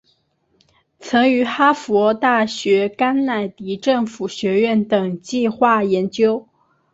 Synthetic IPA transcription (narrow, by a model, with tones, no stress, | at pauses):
t͡sʰɤ˧˥ŋy˧˥xa˥fɔ˧˥t̪a˥˩ɕɥɛ˧˥ka˥nna˨˩ɪt̪i˧˥ʈ͡ʂɤ˥˩ŋfu˨˩ɕɥɛ˧˥ɥɛ˥˩nt̪ɤ˨˩ŋt͡ɕi˥˧xwa˥˩jɛ˧˥nt͡ɕjo˥ʊ